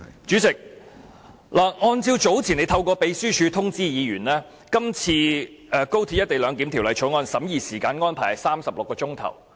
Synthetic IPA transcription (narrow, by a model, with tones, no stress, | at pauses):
t͡ʃyː˨˥t͡sɪ˨k̚ | laː˨˩ŋɔː˧nt͡siː˧wt͡ʃo˨˥wt͡sʰi˨˩ne˨˧jt̪ʰɐ˧wkʷɔː˧pe˨˧jsyː˥t͡ʃʰyː˨˧t̪ʰʊ˥ŋt͡siː˥jiː˨˧ɥyː˨˩nlɛː˥ | kɐ˥mt͡sʰiː˧ʔɛː˧ko˥wt̪ʰiː˧t̚jɐ˥t̪e˨jlœː˨˧ŋk̪i˨˥mt̪ʰi˨˩wlɐ˨˩jt͡ʃʰɔ˨˥ŋɔː˧nsɐ˨˥mjiː˨siː˨˩kaː˧nŋɔː˥npʰaː˨˩jɐ˨˩saː˥msɐ˨p̚lʊ˨kːɔː˧ʊ˥ŋt̪ʰɐ̰˨˩w